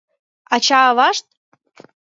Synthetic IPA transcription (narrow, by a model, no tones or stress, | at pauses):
ɑt͡ɕɑβɑʃt̪̚